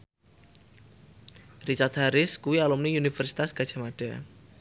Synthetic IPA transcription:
rit͡ʃart̪̚haɾɪskuwialumniunifərsi̥t̪asɡ̥adʒ̥a̤maɖ̥a

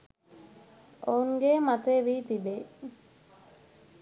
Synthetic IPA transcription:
ouŋɡeːmat̪eːʋiːt̪ibe

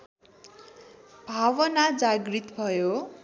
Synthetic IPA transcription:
bʱawʌnad͡zaɡrit̪bʱʌjo

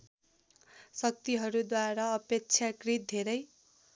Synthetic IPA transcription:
sʌk̚t̪iɦʌɾud̪waɾaʌpek̚t͡sʰjakrit̪̚d̪ʱeɾʌj

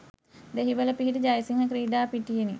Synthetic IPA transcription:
d̪eɦiʋələpiɦiʈid͡ʒajsiŋɦəkɾiːɖaːpiʈijeni

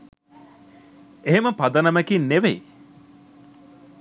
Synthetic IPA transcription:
eɦeməpɐd̪ɐnɐmækinːeʋej

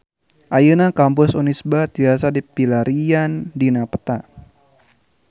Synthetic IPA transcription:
ʔajənakampʊsɔnisbat̪iasadipilaɾiandinapə̥t̪a

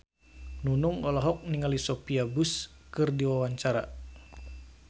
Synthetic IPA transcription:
nunuŋɔlɔɦɔk̚niŋalisɔpiabus | kɨrdiwawaɲt͡ʃaɾa̰

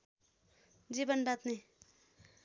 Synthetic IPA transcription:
d͡zibʌnbat̪ne

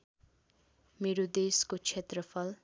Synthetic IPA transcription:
meɾod̪eskot͡sʰet̪rʌpʰʌl

